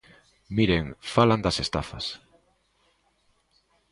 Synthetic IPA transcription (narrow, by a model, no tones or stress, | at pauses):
miɾeŋfaland̪ɐsest̪afɐ̰s